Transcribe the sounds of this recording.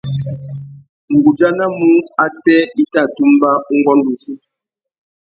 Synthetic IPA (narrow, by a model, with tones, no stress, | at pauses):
ŋ̩˨ɡu˨d͡ʒa˦na˦mu˦a˦tɛ˦i˦ta˦˨tu˦m˦ba˦u˦ŋ˦ɡɔ˦n˦du˨si˦